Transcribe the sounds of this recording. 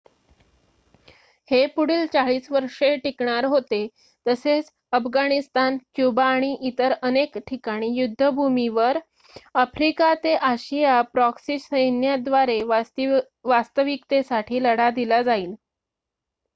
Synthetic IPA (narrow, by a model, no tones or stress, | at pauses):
hepuɽilt͡saɭiːsʋəɾʂeʈikɳaɾɦot̪e | t̪əset͡s | əfɡaɽ̃ist̪ankjubaːɽ̃iʔit̪əɾənekʈʰikaɽ̃iːjud̪ʱːəbʱumiʋəɾ | əfɾikat̪eʔaɕijapɾɔksisəjnjad̪ʋaɾe | ʋast̪əʋikt̪esaʈʰiːləɽad̪ilad͡zaiːl